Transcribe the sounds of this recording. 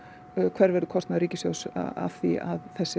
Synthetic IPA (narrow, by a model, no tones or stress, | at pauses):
kʰv̥ɛɾvɛɾðʏkʰɔst̪aðɾiːcɪsjowsa̰a̰vθia̰ðθɛsːɪ